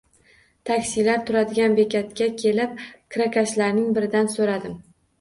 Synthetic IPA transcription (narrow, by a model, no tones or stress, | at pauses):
t̪ʰakʲsilaɾt̪ʰʊɾad̪ɪɡʲanbe̞kʲʰat̪kʲakʲʰe̞lɪp̚kʰɾakʲʰaʃlaɾnɪŋbɪɾɪd̪ansoɾad̪ɪm